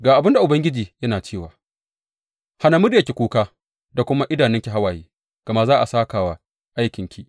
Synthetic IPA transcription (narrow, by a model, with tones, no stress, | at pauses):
ɡaː˨ʔa˨bɪ˦nda˨ʔʊ˨bɐ˦ŋɡʲɪ˦d͡ʒiː˨jɐ˦naː˨t͡ʃeː˦˨waː˨ | ha˦na˨mʊ˦dja˨kʲe˨kʷuː˦kaː˦ | da˨kʷʊ˦ma˦ʔɪ˦daː˨nɪ˦ŋkʲi˨ɦa˦waː˨jiː˦ | ɡ̥ɐ˨ma˦zaː˦ʔa˨saː˦kaː˨wa˦ | ʔa˦jkʲɪ˨ŋkʲi˦